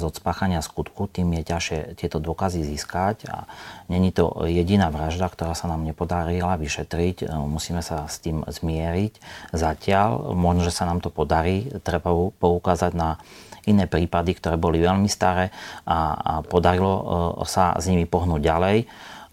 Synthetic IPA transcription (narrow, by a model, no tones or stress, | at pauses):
zɔt̪spaːxaɲɪaskut̪kut̪iːmjɛcaʃɪɛt̪ɪɛt̪ɔd̪ʊɔkaziziskaca̰ɲɛɲit̪ɔ̰jɛɟinaːʋɾaʒd̪akt̪ɔɾaːsanaːmɲɛpɔd̪aɾilaʋiʃɛt̪ɾicmusiːmɛsast̪iːmzmɪɛɾiczacɪalmɔʒnɔʒɛsanaːmt̪ɔpɔd̪aɾiːt̪ɾɛbapɔukaːzaɟnainɛːpɾiːpad̪ikt̪ɔɾɛːbɔliʋɛlmist̪aɾɛːapɔd̪aɾilɔ̰sa̰zɲimipɔɦnuːɟɟalɛj